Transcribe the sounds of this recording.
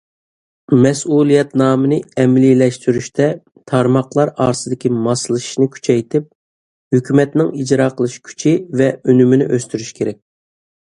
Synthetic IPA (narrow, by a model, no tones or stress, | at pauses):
mɛsulˠijɛt̪nɑːmɨnɨɛmliːlɛʃt̪yɾyʃt̪ʰɛ | t̪ʰɑɾmɑqlˠɑɾɑ̰ːɾsɨd̪ɪkʲimɑsɨlˠɨʃi̥ʃnɪkʲʰy̥t͡ʃʰɛjt̪ʰɪp̚ | høkʲymɛt̪nɪŋid͡ʒɾɑːqʰəlˠɨʃkʲʰy̥t͡ʃʰivɛønyminɪ̰ʔøst̪yɾyʃkʲʰeɾɛk̚ʲ